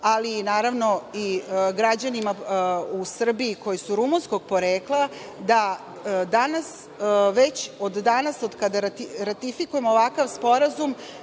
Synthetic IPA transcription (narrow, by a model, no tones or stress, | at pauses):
alinaːɾaʋno̞iɡɾad͡ʑanimausr̩biiko̞jesuɾumunsko̞ɡ̥̚po̞ɾeːkla | d̪a | d̪anas | ʋet͡ɕod̪ːanasod̪kad̪aɾat̪iɾat̪ifikuje̞mooʋakaʋspo̞ɾazum